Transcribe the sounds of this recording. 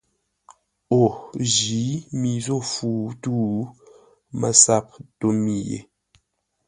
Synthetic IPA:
o˨ʒi˨˦mi˨zo˦fuː˨tuː˦ | mə˨sa˦p̚to˦mi˨jḛ˨

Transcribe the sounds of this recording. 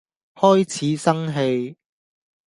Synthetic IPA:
hɔː˥jt͡sʰiː˨˦sɐ˥ŋɦe˧j

